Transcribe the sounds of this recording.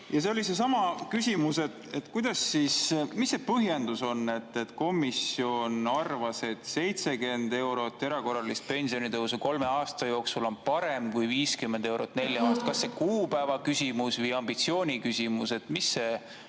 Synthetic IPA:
jɑseolʲise̞sɑmɑkysʲimuse̞t̪e̞t̪ːkujd̪̥ɑsːismisːepɤɦje̞nd̪̥uso̞nːe̞t̪ːet̪ko̞misio̞nɑrvɑse̞t̪se̞jt̪se̞ke̞nd̪e̞wɾo̞t̪ːˑe̞ɾɑko̞rɑlist̪̚pe̞nʲsio̞nit̪ɤɦws̬uko̞lme̞ɑːst̪ɑjo̞ːksulo̞npɑɾe̞mkujviːskymːend̪e̞wɾot̪ːˑne̞lʲjɑɑːst̪ɑkɑsːe̞kuːpæevɑkysʲimusvɯjɑmb̥it̪sio̞ːnʲikysʲimuse̞t̪ːmisːe̞

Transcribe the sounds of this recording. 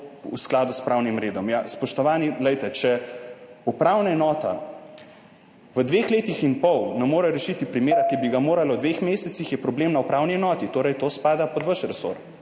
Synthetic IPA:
ṵsklaːd̪uspɾaːwnimɾeːd̪ɔmjaspɔʃt̪ɔʋaːnilɛjt̪ɛt͡ʃɛ | upɾawnaɛnɔːt̪a̰ | ʋəd̪ʋeːxleːt̪ixinpɔwnɛmːoːɾɛɾɛʃit̪ipɾimeːɾakibiɡamoːɾalɔwd̪ʋexmeːsɛtsixjɛpɾɔbleːmnaupɾawniɛnɔːt̪it̪oːɾɛjt̪oːspaːd̪apɔd̪ʋəʃɾɛso̰ɾ

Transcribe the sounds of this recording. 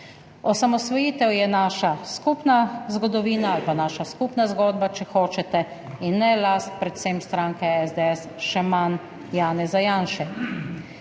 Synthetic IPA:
ɔsamɔsʋɔjiːt̪ɛwjɛnaːʃaskupnazɡɔd̪ɔʋiːnaalpanaːʃaskupnazɡɔːd̪bat͡ʃɛxoːt͡ʃɛt̪ɛ | inːɛlast̪̚pɾɛt̪sɛmst̪ɾaːŋkɛɛzd̪ɛɛs | ʃɛman | jaːnɛzajaːnʃɛ

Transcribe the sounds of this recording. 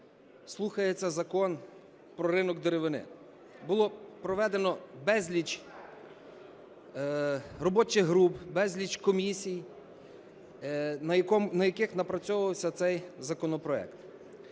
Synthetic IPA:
slˠuxɐjet͡sʲːɐzɐkɔn | pɾɔɾɪnɔɡd̪eɾeʋɪnɪ̰ | bʊlˠɔpɾɔʋɛd̪enɔbɛzʲlʲit͡ʃ | rɔbɔt͡ʃɪɦɾupbɛzʲlʲit͡ʃkɔmʲisʲij | nɐjɐkɔmnɐjɐkɪxnɐpɾɐt͡sʲɔʋɐwsʲɐt̪sɛjzɐkɔnɔpɾɔɛ̰kt̪

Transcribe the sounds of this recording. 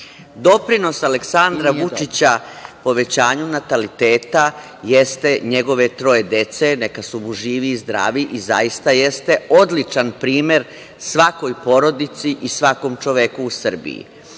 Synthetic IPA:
d̪o̞pɾino̞sale̞ksand̪ɾaʋut͡ʃit͡ɕa | po̞ʋe̞t͡ɕaːɲunat̪alit̪e̞ːt̪a | je̞st̪e̞ɲe̞ɡo̞ʋe̞t̪ɾo̞je̞d̪e̞t̪se̞ne̞kasubuʒiːʋiːzd̪ɾa̰ːʋiʔiza̰jist̪aje̞st̪e̞o̞d̪lit͡ʃanpɾiːme̞ɾ | sʋako̞jpo̞ɾo̞d̪it̪siʔisʋako̞mt͡ʃo̞ʋe̞kuːsr̩bḭjḭ

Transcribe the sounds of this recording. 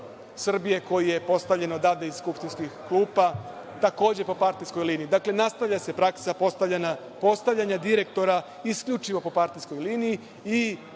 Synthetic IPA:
sr̩bije̞ko̞jije̞po̞st̪avʎe̞nod̪ad̪eisskupʃt̪inskixklˠuːpa | t̪ako̞ːd͡ʑe̞po̞paɾt̪isko̞jliːniid̪akle̞nast̪aʋʎʲase̞pɾaksapost̪ana | po̞st̪aʋʎaɲad̪iɾe̞k̚t̪o̞ɾa | iskʎut͡ʃiʋo̞po̞paɾt̪isko̞jliːnii | i

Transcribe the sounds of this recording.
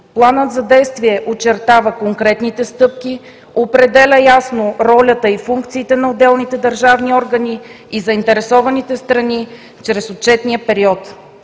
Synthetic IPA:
plˠanət̪zɐd̪ɛjst̪viɛʔot͡ʃɛɾt̪avəkoŋkɾɛt̪nit̪ɛst̪ɤp̚ki | opɾɛd̪ɛlʲəjasnoɾɔlʲət̪əifuŋkt̪siːt̪ɛnɐod̪ɛlˠnit̪ɛd̪ɐɾʒavniɔɾɡɐni | izɐint̪ɛɾɛsɔvɐnit̪ɛst̪ɾɐni | t͡ʃɾɛsot̪t͡ʃɛt̪nijəpɛɾiɔt̪

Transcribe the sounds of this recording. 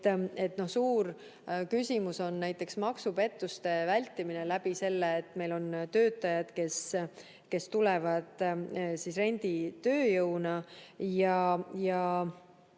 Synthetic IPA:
e̞t̪ːˑno̞hsuːr | kysʲimuso̞nːæjt̪ːˑe̞ksmɑksupe̞t̪ːˑust̪e̞vælʲt̪ːˑimine̞læbise̞lːeːt̪ːme̞jlo̞nt̪ø̞ːt̪ːˑɑjɑd̪̥ke̞s | ke̞st̪ulɛvɑd̪̥sisre̞nʲd̪̥it̪ø̞ːjɤwnɑjɑjɑ

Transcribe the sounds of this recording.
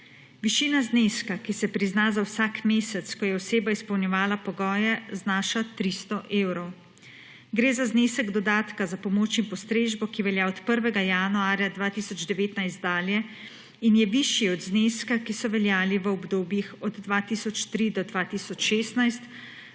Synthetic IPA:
ʋiʃiːnazneskakisɛpɾiznazawsakmeːsɛt̪skɔjɛɔseːbaispɔwnjɛʋaːlapɔɡɔːjɛznaːʃat̪ɾist̪ɔʔeːwɾɔw | ɡɾeːzazneːsɛɡd̪ɔd̪aːt̪kazapɔmoːt͡ʃinpɔst̪ɾeːʒbɔkiʋɛljaɔt̪pəɾʋɛɡajanuaːɾʲjad̪ʋaːt̪isɔd͡ʒd̪ɛʋeːt̪najst̪̚d̪aːljɛ | injɛʋiʃjiɔd̪zneskakisɔʋɛljaːliʋəɔbd̪oːbjixɔd̪ːʋat̪isɔt͡ʃt̪ɾid̪ɔd̪ʋaːt̪isɔt͡ʃʃeːst̪najst̪

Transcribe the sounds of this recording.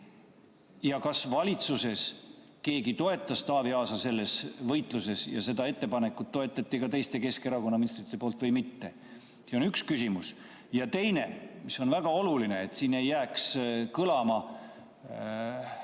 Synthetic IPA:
jɑkɑsvɑlʲit̪suse̞s | ke̞ːɡit̪o̞e̞t̪ːˑɑst̪ɑːviɑːsɑse̞lːe̞svɤjt̪ˑluse̞sjɑ̰se̞d̪̥ɑe̞t̪ːe̞pɑne̞kːˑut̪ːo̞e̞t̪ːˑɑt̪ːˑikɑt̪e̞jst̪e̞ke̞ske̞ɾɑkonːɑminist̪rit̪ːˑepo̞ːlt̪vɤjmit̪ːe̞ | seo̞nykskysʲimus | jɑt̪e̞jne̞̰miso̞nvæɡ̥ɑo̞luline̞ːt̪siːne̞jːæːkskɤlɑmɑ

